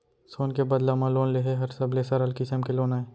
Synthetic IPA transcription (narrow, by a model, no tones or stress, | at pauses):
soːnkebɐd̪lamãloːnleɦeɦɐɾsɐblesɐɾəlkɪsəmkeloːnaeː